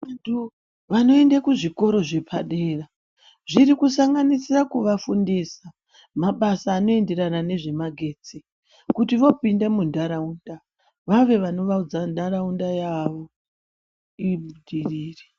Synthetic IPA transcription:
ʋantʰu | ʋano̞e̞ndakuʐiko̞ɾo̞ʐe̞pʰaɗe̞ːra | ʐiɾikusaŋɡanisirakuʋafundisa | maɓasaːno̞e̞nde̞ɾanane̞ʐe̞maɡʱe̞ːt͡si | kutiʋo̞pindemundaɾaunda | ʋaʋe̞ʋano̞ʋaud͡zandaɾaundajaʋo̞ | iɓuɗiriːre

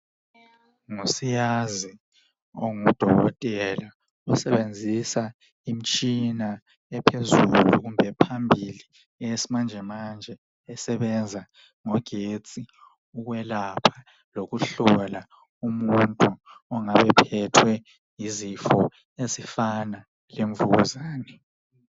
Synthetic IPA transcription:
ŋusijazi | oŋud̥ʱɔɣɔ̰tʼɛla | ɔsɛβend͡zʱisa | im̩t͡ʃʼina | ɛpʰezuluɣumbʱɛpʰambʱili | ɛjesimand͡ʒʱɛmand͡ʒʱɛ | ɛsɛβɛnd͡zʱa | ŋɔɡ̥ʱet͡sʼi | uɣwɛlapʰḁ | loɣuɬɔla | umuntʼuɔŋaβɛpʰɛtʰwɛ | jizifɔ | ezifana | leɱvuɣuzaːnɛ

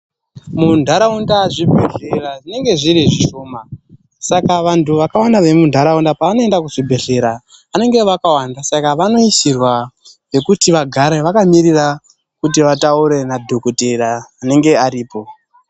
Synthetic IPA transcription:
mundʱaɾaundaʐibʱeɬeraʐine̞ŋɡe̞ʐiɾiʐiʃo̞ːma | sakaʋantuʋakawandaʋe̞mundʱaɾaundapaːno̞e̞ndakuʐibʱe̞ɬe̞ɾaː | ne̞ŋɡeʋakawandasakaʋano̞isirwa | ʋe̞kutiʋaɡʱaɾeʋakamirira | kut̬iʋatauɾe̞nadʱo̞koteraːne̞ŋɡe̞aɾiːpo̞

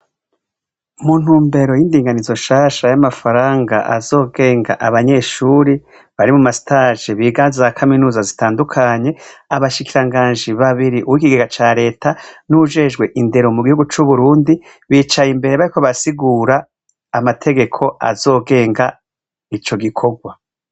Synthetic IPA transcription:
muːn̥huːmbe̞ɾo̞jindiːŋɡanizo̞ʃaːʃajamafaɾaːŋɡa̰ʔa̰zo̞ːɡe̞ːŋɡaʔaβaɲe̞ʃuːɾi | βaɾimumasi̥taːʒeβiːɡaːnzizakʰaminuːzazitaːndukʰaɲe̞aβaʃikiɾaŋɡaːnd͡ʒiβaβiɾiʔuwikiɡeɡat͡ʃaːɾe̞ːtʰanuʒe̞ːʒɡwe̞ʔinde̞ɾo̞muɡihuɡut͡ʃuβuɾuːndi | βiːt͡ʃajimbe̞ɾeβaɾiko̞βasiɡuːɾaː | matʰe̞ɡe̞kʰo̞a̰zo̞ːɡe̞ːŋɡa | it͡ʃo̞ɡikʰo̞ɡwa

